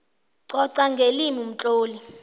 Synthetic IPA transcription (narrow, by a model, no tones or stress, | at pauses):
ǀɔǀaŋɡʱelimium̩t͡ɬʼoːli